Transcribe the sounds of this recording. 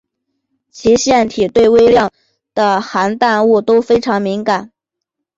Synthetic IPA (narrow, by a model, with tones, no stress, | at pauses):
t͡ɕʰi˧˥ɕjɛ˥˩nt̪ʰi˨˩t̪we˥˧ɪwe˥ɪljɑ˥˩ŋ | d̪̥ə˩xa˧˥nt̪a˥˧nu˥˩t̪o˥ʊfe˥ɪʈ͡ʂʰɑ˧˥ŋmi˧˥ŋka˨˩˦n